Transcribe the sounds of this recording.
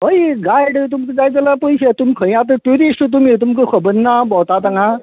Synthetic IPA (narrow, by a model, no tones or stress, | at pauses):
ɦəjɡajɽt̪̬umtəd͡zajt͡səlapəjɕet̪umikʰəj̃at̪̬əʈuɾisʈt̪̬umit̪̬umkəkʰəbənːabɔt̪at̪aŋã